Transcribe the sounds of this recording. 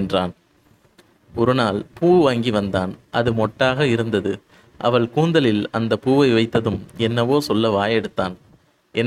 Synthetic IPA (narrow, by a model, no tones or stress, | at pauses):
ndraːn | ɔɾɯnaːlpuːʋaːŋɡiʋɐnd̪aːnʔɐðɯmɔʈːaːɣɐɪɾɯnd̪ɐðɯ | ʔɐ̰ʋɐɭkuːnd̪ɐlɪlɐnd̪ɐpːuːʋɐɪʋɐɪt̪ːɐðɯmɛnːɐʋoːsɔlːɐʋaːjɛɽɯt̪ːaːn | ʔɛn